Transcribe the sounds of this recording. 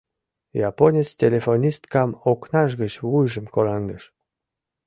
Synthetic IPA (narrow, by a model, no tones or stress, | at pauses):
jɑponʲet͡stʲelʲefonʲist̪kɑmoknɑʃ̬ɣət͡ɕβujʒəmkolɑnd̪əʃ